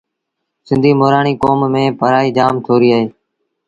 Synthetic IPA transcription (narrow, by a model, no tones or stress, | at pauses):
sɪ̃nd̪ʱiːmoːɾaːɳiːkoːmːẽːpəɾaːiːd͡ʒaːmt̪ʰoːɾiːaːɦeː